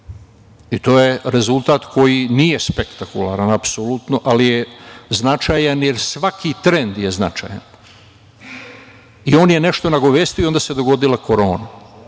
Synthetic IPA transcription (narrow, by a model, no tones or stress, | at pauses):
it̪o̞ːje̞ɾe̞zulˠt̪aːt̪kʰo̞jinije̞spekt̪akulaːɾanapsolut̪noʔalijeznat͡ʃajanje̞ɾsʋakʰit̪ɾend̪jeznat͡ʃa̰ːja̰n | io̞ːnje̞ne̞ʃt̪onaɡo̞ʋeːst̪ijoio̞nd̪aːse̞d̪o̞ɡo̞d̪ilako̞ɾo̞ːna